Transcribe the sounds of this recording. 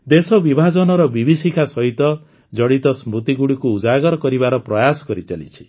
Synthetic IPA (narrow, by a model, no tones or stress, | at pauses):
d̪esɔbibʱad͡ʒɔnɔɾɔbibʱisikʰasɔɦit̪ɔ | d͡ʒɔɽit̪ɔsmɾut̪iɡuɽikuːd͡ʒaɡɔɾɔkɔɾiβaɾɔpɾɔjasɔ̥kɔɾit͡ʃalḭt͡ʃʰi̥